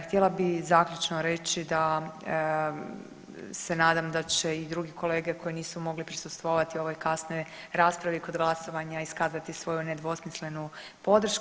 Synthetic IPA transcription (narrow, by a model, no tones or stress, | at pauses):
xt̪jelabizaːkʎʲut͡ʃnoɾe̞t͡ɕid̪a | se̞naːd̪amd̪at͡ɕeid̪ɾuɡiko̞le̞ːɡeko̞jeniːsumo̞ɡlipɾisust̪ʋoʋat̪io̞ʋo̞jkasno̞j | ɾaːspɾaʋiko̞d̪ɡlˠaso̞ʋaɲaiskaːzat̪isʋo̞juned̪ʋo̞smisle̞nu | po̞d̪ɾ̩ʃk